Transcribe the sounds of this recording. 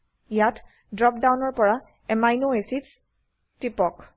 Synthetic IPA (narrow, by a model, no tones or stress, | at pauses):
ijat | dɹɔp̚dawnɔɹpɔɹa | ɛmajnoesits | tipɔk